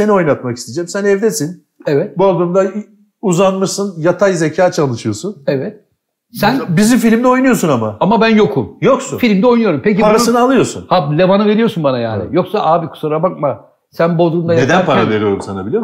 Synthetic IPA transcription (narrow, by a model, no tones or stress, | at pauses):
se̞nio̞jnˠat̪̚maki̥st̪ʰed͡ʒɛmsænɛvd̪esin | ɛvɛt̪̚bod̪umd̪a | uzanmɯʃsɯnjat̪ʰajzecʰaːt͡ʃʰalˠɯʃɯjo̞sunɛvɛt̪̚ | sænbizimfilʲimd̪ɛo̞jnujo̞sunamaamabænjo̞kʰumjo̞ksṵfilʲimd̪ɛo̞jnujo̞ɾumpecipʰaɾasɯnɯalˠɯjo̞sunhalʲevanɯve̞ɾijosunbanajaːnɪ̰jo̞ksaʔaːbikʰu̥saɾabak̚ma | sænbo̞lˠd̪umd̪ajned̪anpʰaɾaave̞ɾijo̞ɾumsanabilʲi